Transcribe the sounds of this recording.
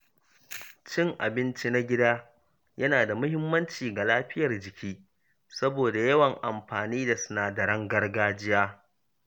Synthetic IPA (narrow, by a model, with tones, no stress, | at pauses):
t͡ʃɪ˦ŋʔa̰˨bɪ˦nt͡ʃi˦na˦ɡʲɪ˦daː˦ | jɐ˦naː˨da˨mʊ˦hɪ˦mːɐ˦nt͡ʃiː˨ɡa˨laː˦ɸɪ˦jɐ˨rd͡ʒɪ˨kʲʰiː˦ | sɐ˦boː˨da˨jɐ˦wɐ˨ŋʔa˨mɸaː˨niː˦da˨sʊ̥˦naː˨da˨ɽɐ˦ŋɡɐ˦rɡaː˦d͡ʒɪ˦jaː˦